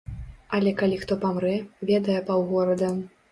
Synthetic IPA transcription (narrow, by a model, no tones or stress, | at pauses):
ɐlʲɛkalʲixt̪ɔpamɾɛvʲɛd̪ɐjɛpawɣɔɾɐd̪ɐm